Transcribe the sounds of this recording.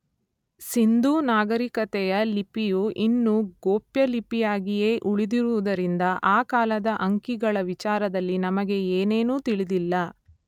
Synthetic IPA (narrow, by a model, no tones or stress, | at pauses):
sind̪uːnaːɡɐɾikɐt̪ɛjɐlipijuʔinːuɡoːpjɐlipijaːɡije̞ːʔuɭid̪iɾuʋud̪ɐɾind̪ɐʔaːkaːlɐd̪ɐʔɐŋkiɡɐɭɐʋit͡ʃaːɾɐd̪ɐlːinɐmɐɡe̞eːne̞ːnuːt̪iɭid̪ilːɐ